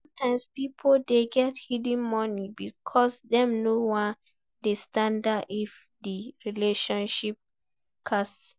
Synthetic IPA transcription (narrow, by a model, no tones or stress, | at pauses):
sɔ̃mtʰãɪ̃mspipʰodeɡɛthidĩnmɔnibikʰɔsdɛ̃mnowã | destãndaʔif | diɹileʃɔ̃nʃip̚ | kʰast